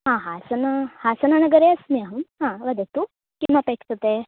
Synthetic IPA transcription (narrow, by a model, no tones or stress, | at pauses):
ɦãːɦasɐnahaːsɐnanɐɡɐɾeɐsniɐɦɐmɦãːʋɐd̪et̪u | kimɐpekʰt̪ɐt̪e